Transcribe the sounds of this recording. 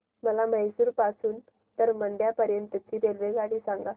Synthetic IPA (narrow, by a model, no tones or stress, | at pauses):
məlaməjsuːɾpasuːn | t̪əɾməɳɖjapəɾjənt̪ət͡ɕiːɾelʋeɡaɽ̃isãŋɡa